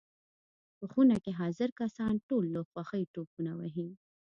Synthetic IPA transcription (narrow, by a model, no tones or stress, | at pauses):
pəxunakeɦɑzɪɾkasɑnʈolːoxwɑxəiʈopunawəɦi